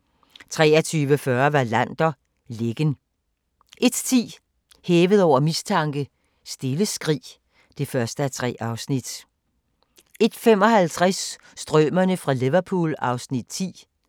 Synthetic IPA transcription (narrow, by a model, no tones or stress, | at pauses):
t͡sʰʁɛ̰ːɐt͡sʰyːʋəfɶɐʋɑ̈læn̰d̥ɐ | le̝ɡ̥ən | ʔe̝d̥t͡sʰḭː | heːʋəð̞̩ˠɒʊ̰ɐmist͡sʰɑ̈ŋɡ̥ə | sd̥e̝ləsɡ̥ʁḭː | d̥e̝fɶɐsd̥əæt͡sʰʁɛ̰ːɑ̈ʊsnid̥ | e̝d̥fem̰ɒ̽hælt͡sʰʁasː | d̥ʁœmɐnəfʁɑ̈leʋɐpʰṵlɑ̈ʊsnid̥̚t͡sʰḭː